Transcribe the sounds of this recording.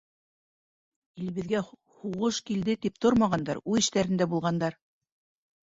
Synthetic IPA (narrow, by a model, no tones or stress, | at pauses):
ilβɘ̆ðɡæ | huʁɤʃkild̪ɘt̪ip̚t̪oɾmɑʁɑnd̪ɑɾʉðɘ̆ʃt̪æɾɘ̆nd̪æbulˠʁɑnd̪ɑɾ